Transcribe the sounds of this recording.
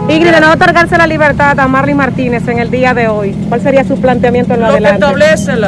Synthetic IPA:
iɣɾiðenoot̪oɾɣaɾselaliβeɾt̪aðamaɾlimaɾt̪ine̞seŋe̞ld̪iaðeojkwalse̞ɾiasuplant̪eamje̞nt̪oenloaðelat̪aβlesel

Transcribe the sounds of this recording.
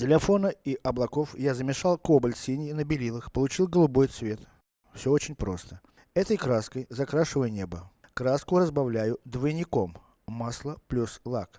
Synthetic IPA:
tʲɪlʲɪfo̞nəiʔɐblˠɐko̞fjazəmʲɪʂalˠkobəlʲsʲinʲjɪnəbʲɪlʲilˠəxpəlˠʊt͡ɕilˠɡəlˠʊbo̞jt̪svʲe̞t̪ | fsʲoot͡ɕɪnʲpɾo̞st̪ə̥ | ɛt̪əjkɾaskəjzɐkɾaʂɨvəjnʲe̞bəkɾaskʊɾəzbɐvlʲæjʊd̪vəjɪnʲɪko̞mː | aslˠəplʲuslˠak

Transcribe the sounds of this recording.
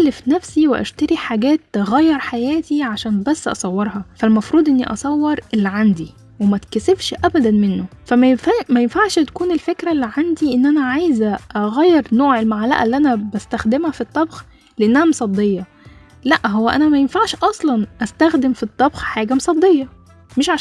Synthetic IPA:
ælːefnæfsiweʔæ̰ʃt̪æɾiħaɡæːt̪ːeɣæjːɑɾˤħajæːt̪iʕaʃæːnbæsːʔɑ̰sˤɑwːeɾˤhɑfælmɑfɾuːd̪ˤʔenːiʔɑsˤɑwːeɾˤelːiʕand̪i | wemæt̪kæsefʃʔæbæd̪ænmenːofæmæjenfamæjenfaʕʃhæt̪kuːnelfekɾælːiʕand̪iʔenːʔænæʕajezæʔɑɣæjːeɾnoːʕelmaʕlæ̰ʔæ̰lːiʔænæbæst̪æxd̪emhæfit̪ˤːɑbx | leʔenːæhæmsˤɑd̪ːejːɑ | læʔɦowːæʔænæmæjenfaʕʃʔɑsˤlɑnʔæst̪æxd̪emfit̪ˤːɑbxħaːɡæmosˤɑd̪ˤːejːɑ | meʃʕa

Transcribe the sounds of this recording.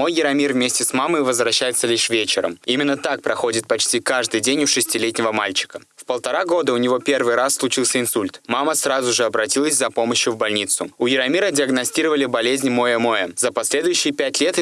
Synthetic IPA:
mo̞jːɪɾɐmʲirvmʲesʲtʲɪsmaməjvəzvɾɐɕːæjɪt̪səlʲiʂvʲet͡ɕɪɾə̰mimʲɪnːət̪ak̚pɾɐxo̞dʲɪt̪̚pɐt͡ɕtʲikaʐd̪ɨjdʲenʲʊʂɨsʲtʲɪlʲetʲnʲɪvəmalʲt͡ɕɪ̥kə | fpəlˠt̪ɐɾaɡo̞d̪əʊnʲɪvo̞pʲe̞rvɨjɾasːlˠʊt͡ɕilˠsʲəɪnsulʲt̪maməsɾazʊʐɨɐbɾɐtʲilˠəsʲzɐpo̞məɕjʊvbɐlʲnʲit̪sʊʊjɪɾɐmʲiɾədʲɪɐɡnɐsʲtʲiɾəvəlʲɪbɐlʲezʲnʲmo̞jəmo̞jəzəpɐsʲlʲe̞d̪ʊjʉɕːɪjpʲætʲlʲe̞t̪

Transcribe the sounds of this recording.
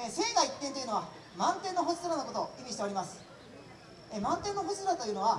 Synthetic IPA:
ese̞ːɡait̪ːẽnt̪o̞jɯ̟no̞a | mãnt̪ẽ̞nːo̞ɦosɨ̥soɾanoko̞t̪o̞imʲiɕ̬i̥t̪e̞o̞ɾʲimasɨ̥ | emãnt̪ẽ̞nːoɦosisɾat̪ojɯ̟no̞β̞a

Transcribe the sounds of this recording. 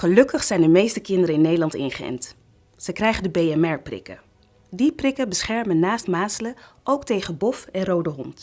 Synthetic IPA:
χəlɵkəχsɛjndəmejstəkɪndəɾəɪnːejdəlɑntɪ̰nχəɛ̰nt | z̥əjkrɛjχəndəbejɛmɛɹprɪ̰kə̰ | diprɪkəbəsχɛɹmənːaːstmaːsələʔowktejχənbɔfɛnrowdəɦɔnt

